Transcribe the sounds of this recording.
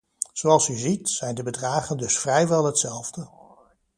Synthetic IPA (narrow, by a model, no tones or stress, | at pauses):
z̥owɑlˠsəzitsɛjndəbədraːχəndɵsfrɛjʋɛlˠɦətsɛlˠvdə